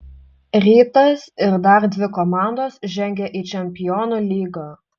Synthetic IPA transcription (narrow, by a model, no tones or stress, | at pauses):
ɾʲiːt̪ɐsɪɾd̪ɐɾd̪ʲʋʲɪkɔmɑˑnd̪oːsʒʲɛŋʲɡʲɛʔit͡ʃʲɛmʲpʲɪjɔːnolʲiːɡɐ